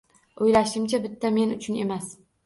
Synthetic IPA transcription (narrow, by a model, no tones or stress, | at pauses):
ojlaʃɪmt͡ʃʰabɪt̪ʰːame̞nʊt͡ʃʰʊne̞mas